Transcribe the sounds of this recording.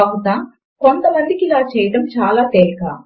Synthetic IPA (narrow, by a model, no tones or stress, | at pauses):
ɐɦut̪aː | kont̪ɐmɐnd̪ikilaːt͡ʃɛːjɐʈɐmt͡ʃaːlaːt̪eːlkaː